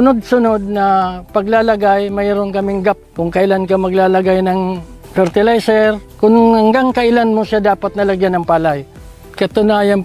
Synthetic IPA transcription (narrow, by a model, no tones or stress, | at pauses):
ʊnod̪̚sʊnod̪̚nɐpɐɡlaːlɐɡajmɐjɾonkɐmɪŋɡap̚kʊŋkɐʔɪlankamɐɡlaːlɐɡajnɐŋ | fɛɾt̪ɪlajsɛɾkʊŋhɐŋɡaŋkɐʔɪlanmosad̪aːpɐt̪̚nɐlɐɡjanɐŋpaːlaj | kɐt̪ʊnaːjan